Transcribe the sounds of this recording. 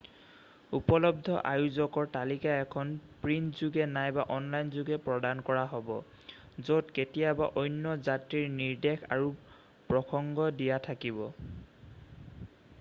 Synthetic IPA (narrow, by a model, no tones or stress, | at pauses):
upɔlɔb̚dʱɔ̰ʔajuzɔkɔɹtalikaɛkʰɔnpɹintzuɡɛnajbaʔɔnlajnzuɡɛpɹɔdankɔɹaɦɔbɔ | zotketijabaʔojnːɔzatɹiɹniɹdexʰa̰ɹu | pɹɔkʰɔŋɡɔdijatʰakibɔ